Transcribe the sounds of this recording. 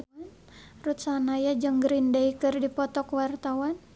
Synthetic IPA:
an | rut̪sanajad͡ʒəŋɡɾindaikɨrdipɔt̪ɔkwart̪awan

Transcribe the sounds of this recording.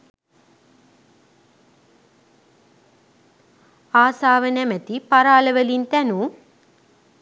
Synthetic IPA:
aːsaːʋɐnɛmɐt̪ipɐɾaːlɐʋɐlint̪ɛnu

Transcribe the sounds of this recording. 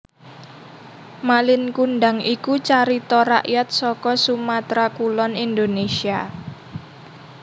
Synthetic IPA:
malɪnkunɖaŋikut͡ʃaɾit̪ɔɾa̰ʔjat̪̚sɔkɔsumat̪ɾakulɔnind̪onesia

